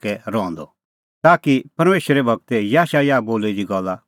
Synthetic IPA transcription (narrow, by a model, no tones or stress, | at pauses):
kɛɾɔ̃ːnd̪ɔ | t̪aːkipɐɾmeːʃəɾɛbʱɐɡ̚t̪ɛjaːʃajaboːlɛd͡ʒ̪iɡɐlːa